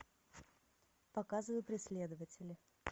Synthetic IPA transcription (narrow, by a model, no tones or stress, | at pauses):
pɐkazɨvəjʊpɾʲɪsʲlʲe̞d̪əvətʲɪlʲɪ